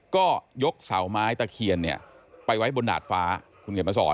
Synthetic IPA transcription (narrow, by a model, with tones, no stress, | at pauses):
kɔː˥˩jo˦˥k̚sa̰˩˦wmaː˦˥jt̪a˧kʰi˧ənːi˦˥˩ɐ | pa˧jwa˦˥jbo˧nda̰ː˨˩t̪̚faː˦˥ | kʰu˧nke˨˩ma˧˩sɔ̰ː˩˦n